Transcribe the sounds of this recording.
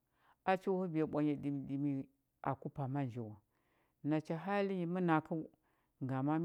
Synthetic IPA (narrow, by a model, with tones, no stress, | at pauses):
a˦t͡ʃi˦whu˦bi˨ja˨ɓʷa˨ɲa˨di˨mi˨di˨mi˨ | a̰˨ku˦pa˨ma˦n˨d͡ʒi˨wa˨ | na˨t͡ʃa˨ɦa˦li˦ji˨mə˦na˨ku˦ | ŋɡa˨ma˦m